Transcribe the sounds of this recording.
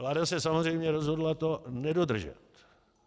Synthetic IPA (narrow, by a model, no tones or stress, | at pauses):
laɾasɛsamozrɛjmɲɛɾɔzɦɔd̪lat̪onɛdod̪r̩ʒa̰t̪